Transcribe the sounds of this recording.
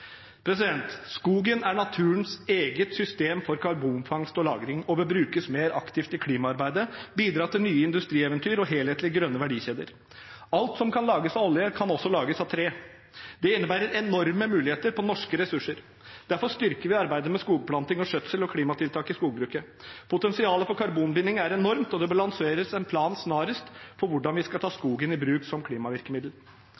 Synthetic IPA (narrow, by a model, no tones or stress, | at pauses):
pʰɾɛs̬ɪd̪ɛnt̪skuːɡənæɳɑt̪ʰʉːnseːɡət̪sʏst̪eːmfɔɾkʰɑɾbuːmfɑŋst̪ɔlɑ̰ːɡɾɪŋɔbəbɾʉːkəsmeːɾɑkt̪ʰɪft̪ɪlkʰliːmɑɑɾbæɪd̪əbiːd̪ɾɑːt̪ɪlnyːəɪnd̪ʉst̪ɾiːɛʋənt̪ʰyːɾɔɦeːlheːt̪lɪɡɾœnːəʋæɖiːçeːd̪ə̰ɾ | ɑlt̪sɔmkʰɑnlɑːɡəsɑɔljəkʰɑnɔsːɔlɑːɡəsɑt̪ʰɾeː | d̪̥ɛɪnːəbæːɾəɾɛnɔɾməmʉːlɪheːt̪əɾpʰɔnɔʂkəɾɛsʉʂəɾ | d̪̥æɾfɔʂt̪ʏɾkəɾʋɪɑɾbæɪd̪əmɛskuːɡ̚pʰlɑnt̪ɪŋɔʂœt̪səlɔkʰliːmɑt̪ʰɪlt̪ʰɑːkɪskuːɡ̚bɾʉːkə | pʰʊt̪ɛnsɪɑːləfɔɾkʰɑɾbuːnbɪnːɪŋæɾɛnɔɾmt̪ɔd̪ɛbɑlɑnseːɾəsɛnpʰlɑːnsnɑːɾəst̪fɔɾʋʊɖɑnʋɪskɑlt̪ʰɑːskuːɡənɪbɾʉːksɔmkʰliːmɑʋɪɾkəmɪd̪l̩